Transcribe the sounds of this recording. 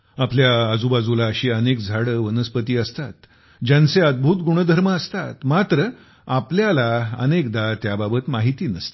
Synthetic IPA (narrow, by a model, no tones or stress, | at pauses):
apljaəd͡zubad͡zulaəɕiːənek̚d͡zʱaɽəʋənəspət̪iːəst̪at̪ | d͡ʑjant͡seəd̪̚bʱuːt̪ɡuɽ̃əd̪ʱəɾməəst̪at̪mat̪ɾə | apljalaə̰nekd̪at̪jababət̪maɦit̪iːnəst̪i̥